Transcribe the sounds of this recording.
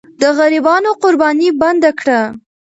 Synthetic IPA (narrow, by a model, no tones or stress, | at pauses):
d̪əɣaɾibɑnoqʊɾbɑniband̪akɽa